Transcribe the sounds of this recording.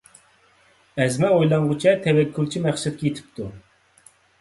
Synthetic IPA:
ɛzmɛojlˠɑɴʁʊt͡ʃʰɛt̪ʰɛwɛkʲʰːylˠt͡ʃʰimæχsɛd̪̚kʲʰɛit̪ʰɪ̥p̚t̪ʰu

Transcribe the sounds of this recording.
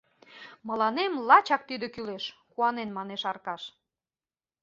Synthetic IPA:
məlɑnemlɑt͡ɕɑk̚t̪yd̪ekyleʃkuɑnenmɑneʃɑrkɑʃ

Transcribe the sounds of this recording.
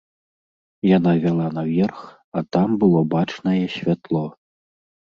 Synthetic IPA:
janavʲalˠanavʲɛrx | at̪ambɨlˠɔbat͡ʂnɐjɛɕʲvʲat̪lˠɔ

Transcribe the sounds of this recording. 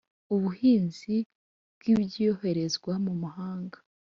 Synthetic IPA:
uβuhiːnz̥i | bɡ̥ibɟijohe̞ɾe̞zɡwamumuhaːŋɡḁ

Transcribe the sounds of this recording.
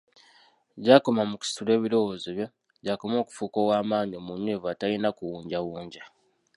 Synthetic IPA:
ɟaːko̞mamuku̥si̥tule̞ːβiɾo̞wo̞zeβjo̞ | ɟako̞mo̞ːku̥fuːkowaːmaːɲio̞munːeːvatajinakuwuːɲɟawuːɲɟa

